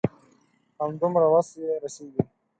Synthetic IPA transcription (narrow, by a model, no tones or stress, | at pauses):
hamd̪ʊmɾawasjeɾaseːɡi